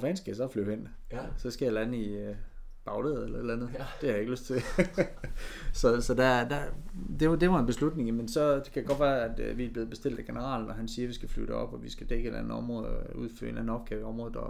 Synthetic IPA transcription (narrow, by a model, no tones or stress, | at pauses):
fɛnsɡ̥esɒflyʊhen̰ | sɒ̽sɡ̥æjɑlæd̥en̩i | b̥ɑ̈ʊleð̩ˠelɐe̝d̥lænð̩ˠd̥e̝hɑ̈je̝ɡ̥əløsd̥t͡sʰe̝ | sɒ̽sɒ̽d̥æd̥æd̥e̝ʋd̥e̝ʋɑ̈e̝nb̥e̝slud̥ne̝ŋjemensɒ̽d̥e̝kʰæjaɡɒ̽d̥ʋæːɐæd̥ʋiæb̥le̝ːðˠb̥e̝sd̥e̝l̰d̥æɡ̥e̝nəʁɑ̰̈ːln̩ɒɦænsiːɐʋisɡ̥æfly̰d̥əɒ̽b̥ɒʋisɡ̥æd̥eɡ̥əelænð̩ˠɒ̽mʁɔːðˠuð̞̰ˠfø̰ɐe̝nlænð̩ˠɒ̽b̥̚kʰeɒ̽mʁɔ̽ːð̩ˠɒ